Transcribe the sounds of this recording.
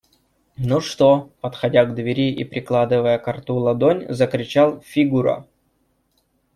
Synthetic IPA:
nuʂt̪opət̪xɐdʲaɡd̪vʲɪɾʲiʔḭpɾʲɪklˠad̪ɨvəjəkɐrt̪ulˠɐd̪onʲzəkɾʲɪt͡ɕalˠfʲiɡuɾə̰

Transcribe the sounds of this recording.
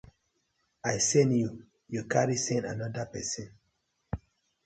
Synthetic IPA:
ajsɛ̃nju | jukaɹisɛ̃na̰nɔdapɛsɔ̃n

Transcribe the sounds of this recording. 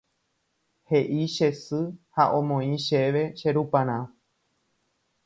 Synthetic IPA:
he̞ʔiʃe̞sɨhaʔõmõĩʃeʋeʃe̞ɾupãɾ̃ã

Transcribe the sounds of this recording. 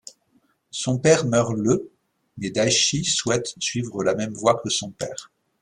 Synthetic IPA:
sɔ̃pɛʁmœʁlə | mɛd̪aʃiswɛt̪sɥivʁəlamɛmvwakʰəsɔ̃pɛ̰ːʁ

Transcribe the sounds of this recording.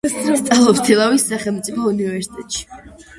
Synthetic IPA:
st̪ʼalˠɔpt̪ʰɛlˠawisːaχɛlˠmt̪sʼipʰɔunivɛɾsi̥t̪ʼɛt̪ʼʃi̥

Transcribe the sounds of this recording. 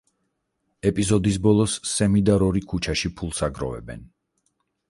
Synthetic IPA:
ɛpʼizɔd̪isbɔlˠɔsːɛmid̪aɾɔɾikʰut͡ʃʰaʃipʰulˠsaɡɾɔ̰vɛ̰bɛ̰n

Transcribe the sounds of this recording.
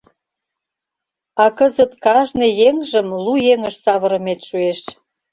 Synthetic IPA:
ɑkəzət̪kɑʒnejeŋʒə̆mlujeŋəʃsɑβə̆ɾə̆met̪ʃueʃ

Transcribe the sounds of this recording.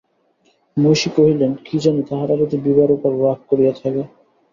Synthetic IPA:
moʃikoɦilenkid͡ʑanet̪aɦaɾaɾot̪ibibaɾokaɾɾak̚koɾijat̪ʰake

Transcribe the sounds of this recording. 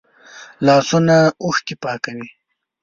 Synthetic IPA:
lɑsunauxk̪ipɑːkawi

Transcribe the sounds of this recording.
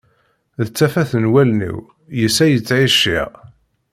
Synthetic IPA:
ðət͡sːæfæθənwælnḭw | jəsæjət͡sːʕiʃḭʁ

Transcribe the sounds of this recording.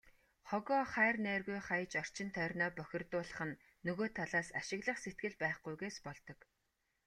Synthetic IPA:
χɔɣɔːχæːrnæːrɣujχajət͡ɕɔr̥t͡ɕɪ̆nt̪ʰœːrʲnɔːpœxʲɪ̆rt̪ʊːɮə̆χə̆nː | ɵɣoːt̪ʰaɮaːsaʃɪ̆ɣɮə̆χset̪̚ɡɘ̆ɮpæːχɡujɣeːspɔɮt̪ɞ̆k

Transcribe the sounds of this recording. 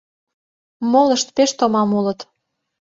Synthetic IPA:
moləʃt̪peʃt̪omɑmulə̆t̪

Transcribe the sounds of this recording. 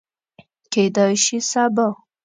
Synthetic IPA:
ked̪ɑjʃisaba

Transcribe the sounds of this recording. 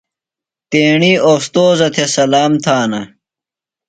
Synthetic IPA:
t̪eːɳiːost̪oːzɐt̪ʰesɐlaːmt̪ʰaːnɐ

